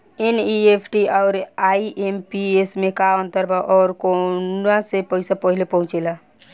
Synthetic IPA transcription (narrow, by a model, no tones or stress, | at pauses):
eniepʰʈiʔɔʊɾaiʔempiesmekaə̃nt̪əɾbʱaʔɔɾkonasepəisapəɦilepəɦũt͡ʃela